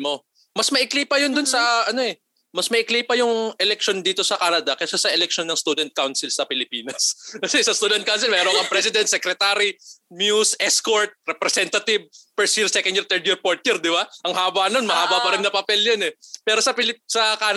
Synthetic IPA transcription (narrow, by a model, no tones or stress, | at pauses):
mo | mɐsmɐʔɪklejpɐjond̪ʊnsɐʔɐno̞ʔɛ | mɐsmɐʔɪklejpɐjʊŋʔɛlɛk̚ʃo̞nd̪iːt̪o̞sɐkaːnɐd̪ɐkɐsasɐʔɛlɛk̚ʃonːɐŋst̪uːd̪ɛnt̪̚kawnsɪlsɐpɪlɪpiːnɐskɐsɛsɐst̪uːd̪ɛnt̪̚kawnsɪlmɛːɾokɐŋpɾɛsɪd̪ɛnt̪sɛkɾɛt̪aɾimjusʔɛskoɹt̪̚ɾɛpɾɛsɛnt̪ɐt̪ɪb̚pɛɹsjiɾsɛkɐniɾt̪ɛɾt̪̚jiɾpoɹt̪̚jiɾd̪ɪbaʔɐŋhaːbanonmɐhaːbabɐɾɪnɐpɐpɛljɐnɛpɛːɾosɐpɪlɪpsɐkaːn